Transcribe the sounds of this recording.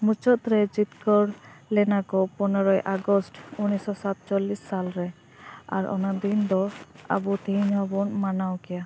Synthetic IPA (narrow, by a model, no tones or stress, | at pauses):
mut͡ʃɔt̪ɾɛd͡ʒit̪kɔɾlɛnakɔpɔnɔɾɔjʔaɡɔsʈunisɔsat̪̚t͡ʃɔlisːalɹɛ | a̰ɹɔ̰nad̪ind̪ɔa̰but̪iiɲɔbɔnmanawkɛja